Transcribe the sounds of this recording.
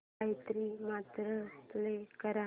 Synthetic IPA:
ajt̪ɾiːmat̪ɾət̪ulekəɾa

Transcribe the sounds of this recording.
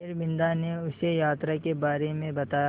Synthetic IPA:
ɾbɪ̃nd̪aneʊsejaːt̪ɾakebaːɾemẽbɐt̪aːja

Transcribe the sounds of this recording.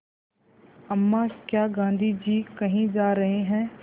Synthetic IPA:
ɐmːaːskjaːɡãːn̆d̪ʱid͡ʒiːkɐɦĩd͡ʒaːɾɐɦeɦɛ̃ː

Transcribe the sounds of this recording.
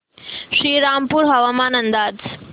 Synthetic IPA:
ʃɾiːɾaːmpuɾɦɐʋaːmaːnɐ̃nd̪aːd͡z

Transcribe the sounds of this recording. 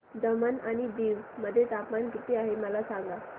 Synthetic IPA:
d̪əmənaɽ̃id̪iːʋməd̪ʱːjet̪apmankit̪iːaɦeməlasaŋɡa

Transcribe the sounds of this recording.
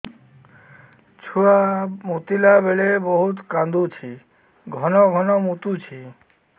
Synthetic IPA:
t͡ʃʰuamut̪ilabeɭebɔɦut̪kãnd̪ut͡ɕʰi | ɡʱɔnɔɡʱɔnɔmut̪ut͡ɕʰi

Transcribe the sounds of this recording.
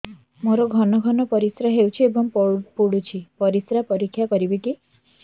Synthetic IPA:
moɾɔɡʱɔnɔɡʱɔnɔpɔɾisɾaɦewt͡ʃʰiebɔŋppuɽut͡ʃʰipɔɾisɾapɔɾikʰːjakɔɾibiʈi

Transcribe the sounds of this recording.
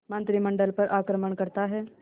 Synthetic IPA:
mɐ̃nt̪ɾimɐ̃ɳɖəlpɐɾʔaːkɾəməɳ̃kɐɾt̪aɦɛː

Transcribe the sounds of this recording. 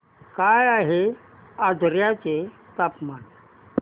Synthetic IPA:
kajaːɦe | ad̪ʱɾjat͡ɕe | t̪apman

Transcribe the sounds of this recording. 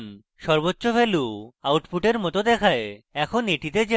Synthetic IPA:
n | ʃɔɾbotːɕofʰeluawʈfuʈeɾmɔt̪od̪ɛkʰaeɛkʰoneʈit̪ed͡ʑe

